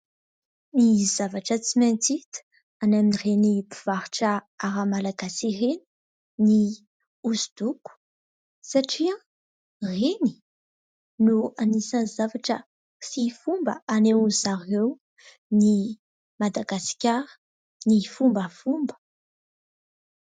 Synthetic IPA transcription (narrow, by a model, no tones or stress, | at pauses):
nizavaʈ͡ʂət͡siment͡sit̪ə̥ | anaminirenipiv̥aɾʈ͡ʂə | aɾamalaɡasireni̥ | ni | uzid̪uku̥ | saʈ͡ʂia | reni̥ | nuanisanzavaʈ͡ʂə | sifumbə̰ʔanewuzaɾew | ni | mad̪aɡasi̥kʲaɾə̥ | nifumbəfumbə̥